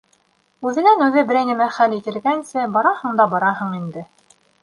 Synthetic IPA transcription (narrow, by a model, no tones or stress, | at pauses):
ʉðɘ̆nænʉðɘbɘ̆ɾæjnɘ̆mæχælit̪ɘ̆ɾɡænsɘbɑɾɑhɤ̆ɴd̪ɑbɑɾɑɦɤ̆ɴind̪ɘ